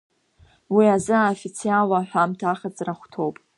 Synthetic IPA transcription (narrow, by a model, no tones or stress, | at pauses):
wiazɨaofit͡sʰialaħʷᶣamtʰaχad͡zraχʷtʰo̞wpʼ